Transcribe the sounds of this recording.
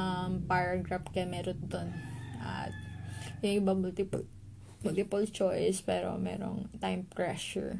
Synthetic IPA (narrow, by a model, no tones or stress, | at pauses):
ɐmpaɹɐɡɹapkɐjamɛːɾond̪onʔɐ̰t̪̚jʊŋʔɪbamʊlt̪ɪpʊ̰l | mʊlt̪ɪpɐlt͡ʃojspɛːɾo̰mɛ̰ːɾo̰ŋt̪ajmpɹɛʃʊ̰ɹ